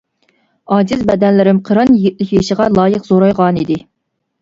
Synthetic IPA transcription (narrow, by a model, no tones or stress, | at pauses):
ɑːzɪzbɛd̪ɛnlɪɾɪmqʰəɾɑnjeɡʲit̪̚lɪkʲjeʃəʁɑlˠɑːjəqzoɾɑjʁɑnid̪ɪ